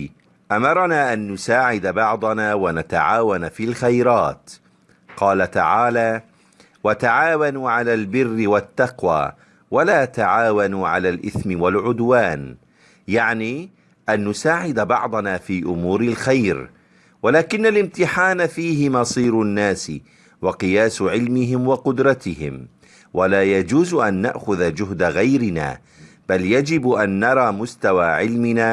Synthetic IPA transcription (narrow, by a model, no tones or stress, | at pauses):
ʔamɑɾˤɑnaːʔanːʊsaːʕɪd̪abɑʕd̪ˤɑnaːwanat̪a̰ʕaːwanafiːlxajɾaːt̪ | qɑːlat̪a̰ʕaːlaː | wat̪aʕaːwanuːʕalaːlbɪrːɪwat̪ːɑqwa̰ː | walaːt̪aʕaːwanuʕa̰laːlʔɪθmɪwalʕʊd̪waːn | jaʕniː | ʔanːʊsaːʕɪd̪bɑ̰ʕd̪ˤɑnaːfiːʔʊmuːɾɪlxajɾ | walaːkɪnːalʔɪmt̪ɪħaːnafiːɦɪmɑsˤiːɾʊnːaːsɪ | wɑqɨjaːsʕɪlmɪɦɪmwɑqʊd̪ɾˤɑt̪ɪhɪ̰m | walaːjad͡ʒuːzʔanːa̰ʔxʊðad͡ʒʊɦd̪aɣajɾɪna̰ː | b̥aljad͡ʒɪbʔanːɑɾˤɑːmʊst̪awaːʕɪlmɪnaː